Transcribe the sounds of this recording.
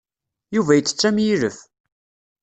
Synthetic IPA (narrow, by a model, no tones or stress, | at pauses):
juvæjət͡sːə̥t͡sːæmjiɾəf